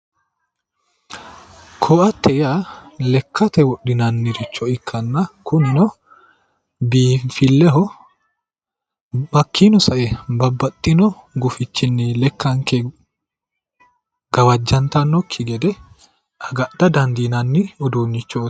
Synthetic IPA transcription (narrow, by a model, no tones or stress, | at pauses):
kʰɔːʔɐt̪ʰːɛjalɛkʰːɐt̪ɛwɔɗːɪnɐnːɪɾɪt͡ʃːɔɪkʰːɐnːɐkʰʊnɪnɔ | biːfɪlːɛɦɔ | mɐkʰːinɔsɐʔɛbɐbːɐt̪ʼːɪnɔɡʊfɪt͡ʃːɪnːɪlɛkʰːɐŋkɛ | ɡ̥ɐwɐd͡ʒːɐnt̪ɐnːɔkʰːɪɡɛd̪ɛ | ʔɐɡɐd̥̪ɐd̪ɐnd̪inɐnːɪɔd̪uːnːɪt͡ʃːɔ